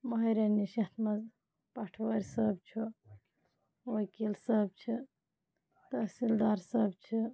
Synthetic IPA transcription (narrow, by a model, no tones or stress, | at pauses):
mɐɦɐɾɐnːiʃɐt̪ʰmɐz | pɐʈʰʋəɾʲsəbt͡ʃʰu | ʋəkilsəb̚t͡ʃʰi | t̪ɐsild̪aɾsəbt͡ʃʰi